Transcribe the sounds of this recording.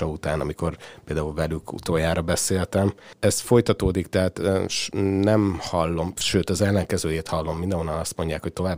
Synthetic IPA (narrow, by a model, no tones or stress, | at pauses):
ɒut̪aːnɒ̰miko̞rpeːld̪aːulvɛlykʰṵt̪oːjaːɾɒbɛseːlt̪ɛmɛsfo̞jt̪ɒt̪oːd̪ikt̪ɛɦaːt̪ʃnɛmhɒlːo̞mʃøːt̪ɒzɛlːɛŋkɛzøːjeːt̪hɒlːo̞mːind̪ɛ̃ɦonːɒnɒst̪mo̞ɲɟaːkho̞c̚t̪o̞vaːb